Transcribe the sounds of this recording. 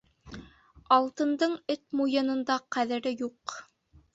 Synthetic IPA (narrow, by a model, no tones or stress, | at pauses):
ɑlˠt̪ɤ̆nd̪ɤɴɘt̪̚mujɤ̆nɤ̆nd̪ɑqæðɘ̆ɾɘjuq